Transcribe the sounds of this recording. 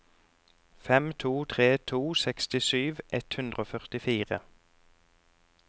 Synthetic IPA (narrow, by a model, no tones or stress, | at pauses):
fɛmt̪ʰuːt̪ʰʁeːt̪ʰuːsɛkst̪ɪsyːʋʔɛt̪hʉnd̪ʁəoːfœʁt̪ɪfiːʁə